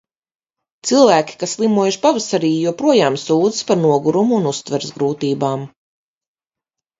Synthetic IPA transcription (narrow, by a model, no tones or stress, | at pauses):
t̪silˠvæːkʲi̥kasːlˠimuɔjuʃpavasaɾiːjuɔpɾuɔjaːmsuːd̪zɨspaɾnuɔɡuɾumuːnust̪vɛɾzɡɾuːt̪iːbaːm